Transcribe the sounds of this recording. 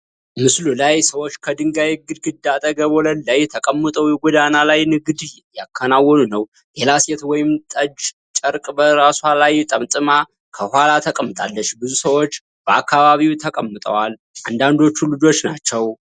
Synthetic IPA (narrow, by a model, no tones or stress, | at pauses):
mɨslulajsəwo̞t͡ʃːkʰəd̪ɨŋɡajɛɡɨd̪ɡɨd̪at̪ʼəɡəβolənlajt̪ʰəkʼəmːət̪ʼəwjɛɡʷɔd̪analajnɨɡɨd̪ | jakʰːənawːɔnunəw | lelasɛt̪wɔjɪmt̪ʼəd͡ʒ | t͡ʃʼəɾkʼbəɾaswalajt̪ʼəmt̪ʼɨma | kʰəhʷalat̪ʰəkʼəmːɨt̪ʼalːət͡ʃːbɨzusəwo̞t͡ʃː | b̥əakːaβaβiwt̪ʰəkʼəmːɨt̪ʼə̰wal | ʔand̪and̪o̞t͡ʃːulɨd͡ʒo̞t͡ʃːnat͡ʃːɛw